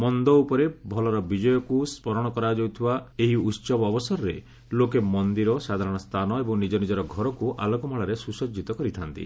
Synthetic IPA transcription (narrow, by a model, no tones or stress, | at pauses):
mɔnd̪ɔupɔɾebʱɔlɔɾɔbid͡ʒɔjɔkuspɔɾɔɽ̃ɔkɔɾad͡ʒowt̪ʰibaeɦiut̪sɔbɔːbɔsɔɾɔɾe | lokemɔnd̪iɾɔsad̪ʱaɾɔɽ̃ɔst̪ʰanɔebɔŋnid͡ʒɔnid͡ʒɔɾɔɡʱɔɾɔkuʔalɔkɔmaɭaɾesusɔd͡ʒit̪ɔkɔɾit̪ʰant̪ḭ